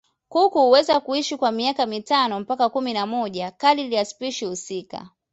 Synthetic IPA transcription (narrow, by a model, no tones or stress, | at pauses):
kukuuwɛzakuiʃikwamiakamitanɔm̩pakakuminamɔʄakaliliaspiʃihusika̰